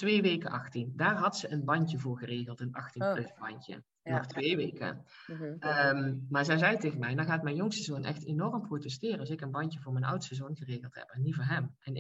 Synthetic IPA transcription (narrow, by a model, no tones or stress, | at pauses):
tʋeːʋejkəʔɑxtindaːrɦɑtsəʔənbɑɲcəvʊːɹɣəreːɣəlˠtənɑxtinprøtbɑɲcə̰ | nɔχtʋeːʋeːkə̰ | mmaːɹzɛjzɛjtejɣənmɛjdɑxaːtmɛjnjʊŋstəzoːnʔɛ̰xtenɔrəmprotɛstɪːrəɑlsɪkənbɑncəvʊːɹmɛjnʔʌ̰wtstəzownɣəreːɣəlˠtɦɛ̰pɛnivʊːɹɦɛmɛn